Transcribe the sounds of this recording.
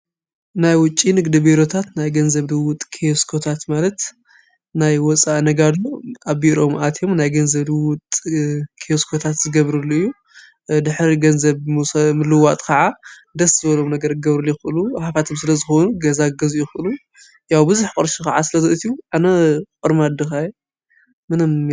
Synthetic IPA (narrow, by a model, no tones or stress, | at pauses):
najwʊt͡ʃʼinɨɡd̪ibiɾo̞t̪ʰat̪najɡɐnzɐβd̪ɨwʊt̪ʼkʰejoskʰo̞t̪ʰat̪malɐt̪ | najwɔt͡sʼaʔnɐɡad̪oʔaβbiɾo̞mʔat̪ʰjo̞mnajɡɐnzɐβd̪ɨwʊt̪ʼkʰejoskʰo̞t̪ʰat̪zɨɡɐβɾɨlːuɨjːu | d̪ɨħɾiɡɐnzɐβmsɐmɨlːɨwat̪ʼkʰɐʕad̪ɐszɨβɐlo̞mnɐɡɐɾkɨɡɐβɾɨlːjɪxɨʔɨluħafat̪ʰɨmsɨlɐzɨxonuɡɐzaɡɐzjixɨʔɨlu | jawbɨzuħkʼɨɾʃikʰɐʕasɨlɐzɨʔɨt̪ʰijuʔanɐkʼɨɾmad̪ɨxaj | mɨnɨm